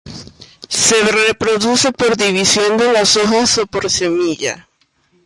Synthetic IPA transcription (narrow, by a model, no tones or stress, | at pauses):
se̞repɾo̞ðuse̞po̞ɾðiβisjo̞nd̪elasoxasopoɾsemiʝa̰